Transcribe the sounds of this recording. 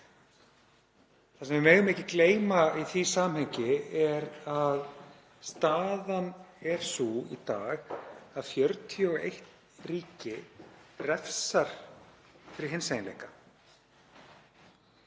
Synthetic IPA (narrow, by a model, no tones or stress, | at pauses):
θasɛmvɪmɛːɣʏmehcɪkleːjmaiθisaːmhɛɲcɪɛɾað | st̪aːðanɛɾ̥suḭt̪aːɣaðfjœɾt̪ʰjɔḛjht̪ | riːcɪrɛfsaɾ̥ | fɪɾɪɾɦensejnlḛhka